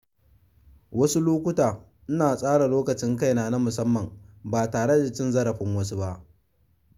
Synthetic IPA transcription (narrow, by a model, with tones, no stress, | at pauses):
wɐ˦su˦loː˦kʷʊ˦taː˨ | ʔɪ˦naː˨sʼaː˦ɽa˨loː˦kɐ˨t͡ʃɪ˦ŋka˦jnaː˨na˦mʊ˨sɐ˦mːɐ˨mbaː˨taː˨ɽe˦da˨t͡ʃɪ˦nzɐ˦ɽɐ˨ɸɪ˦ŋwɐ˦su˦ba˦ʔ